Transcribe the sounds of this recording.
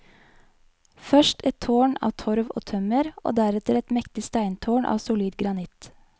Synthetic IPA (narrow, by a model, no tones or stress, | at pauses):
fœʃʈɛt̪ʰːoːɳɑ̰ːʋt̪ʰɔɾʋo̰ːt̪ʰœməɾʔo̰ːd̪æɾɛt̪əɾɛt̪mɛkt̪ɪst̪æɪnt̪ʰoːɳʔɑ̰ːʋsʊliːd̪ɡɾɑnɪt̪